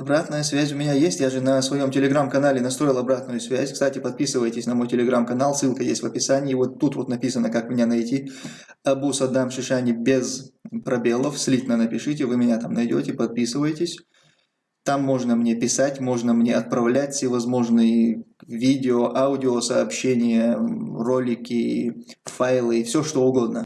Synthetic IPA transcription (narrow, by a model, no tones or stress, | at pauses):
ɐbɾat̪nəjəsvʲæzʲʊmʲɪnʲajesʲtʲjaʐɨnəsvɐjo̞mtʲɪlʲɪɡɾamkɐnalʲɪnɐst̪ɾo̞jɪlˠɐbɾat̪nʊjʊsvʲæzʲkst̪atʲɪpɐt̪̚pʲisɨvəjɪtʲɪsʲnɐmo̞jtʲɪlʲɪɡɾamkɐnalˠsɨlˠkəjḛsʲtʲvɐpʲɪsanʲɪːvo̞t̪ːut̪vo̞t̪nɐpʲisənəkakmʲɪnʲanɐjtʲi | ɐbusɐd̪amʂɨʂanʲɪbʲezpɾɐbʲe̞lˠəfsʲlʲit̪nənəpʲɪʂɨtʲɪvɨmʲɪnʲat̪amnɐjdʲo̰tʲɪpɐt̪̚pʲisɨvəjɪtʲɪsʲ | t̪amːo̞ʐnəmnʲe̞pʲɪsatʲmo̞ʐnəmnʲeɐt̪̚pɾɐvlʲætʲfsʲevɐzmo̞ʐnɨjəvʲidʲɪoʔaʊdʲɪosɐːpɕːenʲɪjəro̞lʲɪkʲɪ | fajlˠɨifsʲoʂt̪o̞ʊɡo̞d̪nə